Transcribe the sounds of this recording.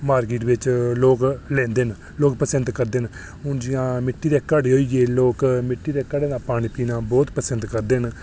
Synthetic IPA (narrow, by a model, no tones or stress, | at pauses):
maːɾkiːʈʋɪt͡ʃloːklɛ̃ːnd̪eːn | loːkpəsənd̪kəɾd̪eːn | ɦʊnd͡ʒɪãːmɪʈːiːd̪eːkəɖeːɦoːiːɡeːloːkmɪʈːiːd̪eːkəɖeːnãːpaːɽ̃iːpiːnãːbɔːt̪pəsənd̪kəɾd̪eːn